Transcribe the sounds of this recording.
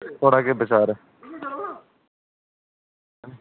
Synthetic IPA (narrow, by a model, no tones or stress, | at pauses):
oːɽaːkeːbət͡ʃaːɾɛ